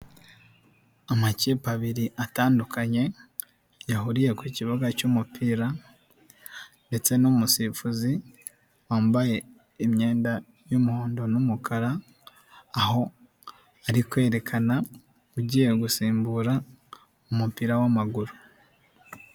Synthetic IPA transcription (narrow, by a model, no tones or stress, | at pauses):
amaciːpaβiɾiʔataːndukʰaɲe̞ | jaɦuɾije̞kwuciβaɡacumupʰiːɾa | nde̞t͡se̞numusifuzi | waːmbaje̞ | imɲe̞ːnda | jumuhoːndo̞numukʰaɾaː | ho̞ | aɾikwe̞ːɾe̞kʰana | uɟiːje̞ɡusiːmbuɾa | umupiːɾawamaɡuɾu